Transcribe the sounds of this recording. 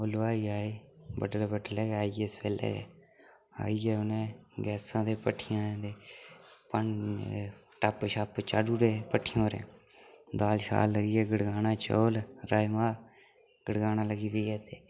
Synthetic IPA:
olːaːiaːeːbəɖəlbəɖəlɛːɡɛaːijeːspʰeːlɛ̰ːɡɛ̰ː | a̰ːiɡɛːʊnẽːɡɛːsãːd̪eːpəʈʰːɪjãːd̪eːpən | ʈəpːʃapt͡ʃa̰ːɖuːɾeːpəʈʰːɪjõːɾḛ̃ː | d̪aːlʃa̰ːlːəɡiːɛːɡəɽɡaːnãːt͡ʃoːlɾaːimaː | ɡ̥əɽɡaːnãːləɡiːʋiːɡɛːt̪eː

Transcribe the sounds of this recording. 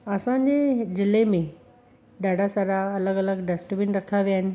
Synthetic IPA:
ɐsãɲ̆d͡ʑezɪlemẽ | ɖaːɖʱasaɾaɐləɡɐləɡɖɐsʈbɪnɾɐkʰaʋijaːɦɪnɪ̆

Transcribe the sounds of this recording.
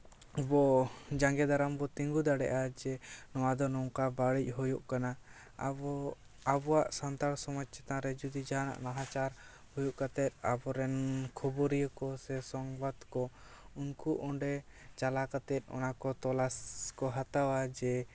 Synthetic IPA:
bɔd͡ʒaŋɡɛd̪aɾambɔt̪iŋɡud̪aɽɛ̰ʔad͡ʒɛnɔwad̪ɔnɔwkabaɽic̚ˀɦɔjuʔkana | a̰bɔ | abɔwaʔsant̪aɽsɔmad͡ʒt͡ʃʰɛt̪aɾɛd͡ʒud̪id͡ʒana̰ʔnaɦat͡ʃaɾ | hujuʔkat̪ɛt̪̚a̰bɔɾɛnkʰɔbɔɾijəkɔsɛsɔŋbad̪kɔ | unkuʔɔɳɖɛ | t͡ʃalakat̪ɛt̪̚ˀɔ̰nakɔt̪ɔlaskɔɦat̪awad͡ʒɛ

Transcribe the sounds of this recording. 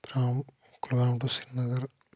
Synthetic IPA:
pɾaːm | kulbaːd̪usinnɐɡɐɾ

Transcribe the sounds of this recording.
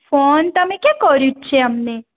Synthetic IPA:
font̪əmekẽkɔɾjũt͡ʃʰeamne

